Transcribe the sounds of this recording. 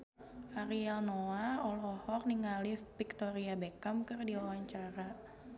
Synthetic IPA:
ʔaɾialnoaɔlɔhɔrniŋalipik̚t̪oɾiabekamkərdiawaɲt͡ʃaɾa

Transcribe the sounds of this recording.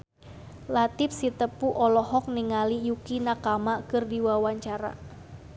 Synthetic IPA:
lat̪ɪp̚sit̪əpuʔɔlɔɦɔk̚niŋalijukinakamakɨrdiwawaɲt͡ʃaɾa̰

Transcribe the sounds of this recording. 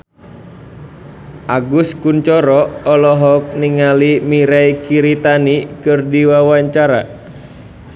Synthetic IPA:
ʔaɡuskunt͡ʃɔɾɔɔlɔɦɔk̚niŋalimiɾaikiɾit̪anikɨrdiwawaɲt͡ʃaɾa̰

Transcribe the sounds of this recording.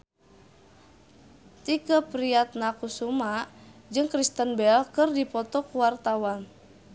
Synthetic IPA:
t̪ikəpɾiat̪̚nakusumaʔd͡ʒɨŋkɾist̪ənbɛlkɨrdipɔt̪ɔkuwart̪awan

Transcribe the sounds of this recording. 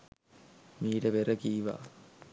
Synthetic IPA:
miːɖeʋeɾɐkiːʋa̰

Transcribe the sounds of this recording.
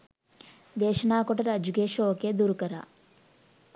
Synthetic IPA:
d̪eːʃɐnaːkɔʈɐɾad͡ʒukeːʃoːked̪uːɾukɐɾa̰

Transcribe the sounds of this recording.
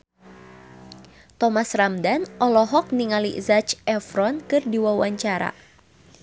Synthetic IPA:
t̪ɔmasramdanʔɔlɔɦɔk̚niŋalḭzat͡ʃɛfɾɔnkɨrdiwawaɲt͡ʃaɾa̰

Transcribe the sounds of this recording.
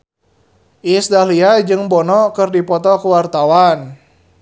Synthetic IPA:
ʔisdaliad͡ʒɨŋbɔnɔkɨrdipɔt̪ɔkəwart̪awan

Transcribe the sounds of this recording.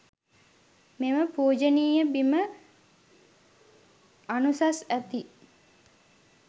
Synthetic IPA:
meməpuːd͡ʒəniːjəbimə | anusasæt̪i

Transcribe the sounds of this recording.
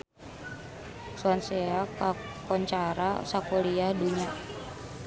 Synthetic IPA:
suanseakakɔɲt͡ʃaɾasakoliahduɲa

